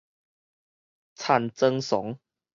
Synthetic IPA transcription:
t͡sʰa˥˧˨nt͡sə˦˧ŋsɔ˨˦ŋ

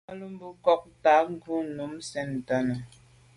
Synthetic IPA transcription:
a˦lu˦m̩˦bu˦kɔ˦k̚ta˨˦ŋ̩˦ɡu˦nu˨˦msɛ˨n˨ta˨nə˨

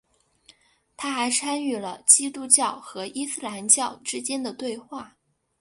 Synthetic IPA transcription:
t̪ʰa˥xa˧˥ɪt͡sʰa˥ny˥˩lə˩t͡ɕi˥t̪u˥t͡ɕjɑ˥˩ʊxɤ˧˥i˥sɹ̩˥˩la˧˥nt͡ɕjɑ˥˩ʊʈ͡ʂɻ̩˥t͡ɕjɛ˥nd̪ə˨t̪we˥˧ɪxwa˥˩

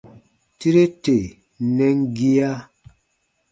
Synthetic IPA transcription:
ti˦ɾe˦te˨ | nɛ˦ŋ˦ɡi˦a˦

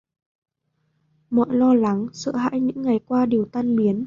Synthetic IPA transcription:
mɔ̰˧˨jlɔ˧la˨˦ŋsɨ̰˧˨ha̰ː˧˥jɲɨ̰˧˥ŋːa˨˩jkwaː˧ɗi˨˩əwt̪a˧nɓi˨˦ən

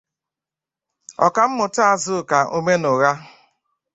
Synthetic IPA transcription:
ɔ̰˨ka˨m̩˦mʊ˨ta˦a˦˨zʊ˦˨ka˨ʔo˦me˦nʊ˨ɣa˦

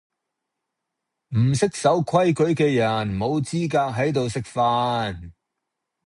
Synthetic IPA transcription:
m̩˨˩sɪ˥k̚sɐ˨˥wkʷʰɐ˥jkɵ˨˥ɥkɛː˧jɐ˨˩nmo˨˧wt͡siː˥kaː˧k̚ɦɐ˨˥jt̪o˨wsɪ˥k̚faː˧˥n

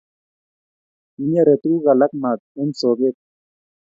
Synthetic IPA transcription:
i˨˦ɲa˦ɾe˨t̪u˦ɣa˨la˦k̚ma˨t̪̚ɛ˦nso˨ɡe˦t̪̚

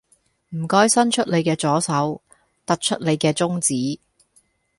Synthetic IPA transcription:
m̩˨˩kɔː˥jsɐ˥nt͡ʃʰɵ˥t̚le˨˧jkɛː˧t͡sɔː˨˥sɐ˨˥w | t̪ɐ˥k̚t͡ʃʰɵ˥t̚le˨˧jkɛː˧t͡sʊ˥ŋt͡siː˨˥

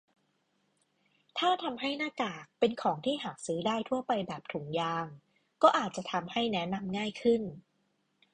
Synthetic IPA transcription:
t̪ʰaː˥˩t̪ʰa˧mɦa˥˩jnaː˥˩kaː˨˩k̚pe˧nkʰɔː˩˦ŋt̪ʰiː˥˩ɦaː˩˦k̚sɯː˦˥daː˥˩jt̪ʰu˥˩ɐpa˧jbɛː˨˩p̚t̪ʰu˩˦ŋjaː˧ŋ | kɔː˥˩ʔaː˨˩t̪̚t͡ɕa˨˩t̪ʰa˧mha˥˩jnɛ˦˥na˧mŋaː˥˩jkʰɯ˥˩n

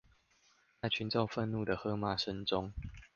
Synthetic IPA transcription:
t͡sa˥˨t͡ɕʰy˨˦nt͡so˥˧ʊfə˥˧nnu˥˨d̪ə˩xɤ˦ma˥˨˩ʂə˦nʈ͡ʂʊ˦ŋ

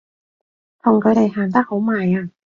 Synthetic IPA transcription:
t̪ʰʊ˨˩ŋkʰɤ˨˧˥ɾa˨˩jɦaː˨˩nt̪a˥k̚ho˨˥wmaː˨˩jaː˧˩

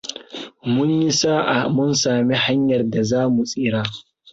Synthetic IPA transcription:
mʊ˦ɲji˦saː˦ʔa˨mʊ˦nsaː˨mi˦ha˦ɲjɐ˨rda˨zaː˦mu˨sʼiː˦ɾaː˦

